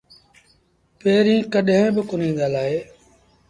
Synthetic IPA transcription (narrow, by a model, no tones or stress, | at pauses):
peːɾĩːkəɗɦẽːbɪkʊn̤ĩːnd̪aːlaːɦeː